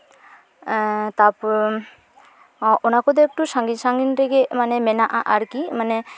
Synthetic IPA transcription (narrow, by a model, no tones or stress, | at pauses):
t̪ap | ɔnakɔd̪ɛk̚ʈusaŋɡinsaŋɡinɾɛɡɛmanɛmɛnaʔaʔaɾkimanɛ